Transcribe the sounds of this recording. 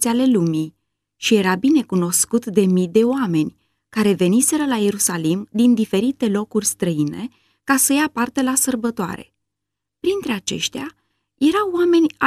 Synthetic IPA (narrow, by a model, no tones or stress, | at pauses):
seale̞lumi | ʃije̞ɾabine̞kuno̞skut̪d̪e̞mid̪e̞oame̞nʲ | kaɾe̞ve̞nise̞ɾəlaje̞ɾusalimd̪ind̪ife̞ɾit̪e̞lo̞kurʲst̪ɾəine̞̰ | kasəjapart̪elasərbət̪oa̰ɾḛ | pɾint̪ɾe̞at͡ʃe̞̰ʃt̪ea | je̞ɾawːame̞nʲa